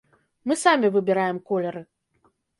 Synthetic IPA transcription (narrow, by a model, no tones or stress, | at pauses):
mɨsamʲivɨbʲiɾajɛmkɔlʲɐɾɨ